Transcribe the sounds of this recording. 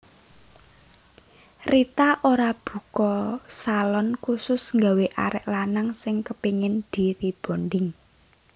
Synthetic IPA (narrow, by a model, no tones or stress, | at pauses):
rit̪aʔoɾab̥ṳkɔsalɔnkusʊsŋɡaweʔa̰ɾɪʔlanaŋsɪŋkəpiŋɪnd̪̥iɾib̥o̤nɖɪŋ